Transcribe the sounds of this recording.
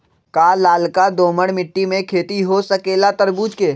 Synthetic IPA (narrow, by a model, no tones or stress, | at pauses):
kaːlːaːlkad̪oːməɽmɪʈːimẽkʰeːt̪iɦosɐkeːlat̪əɾbuːd͡ʒke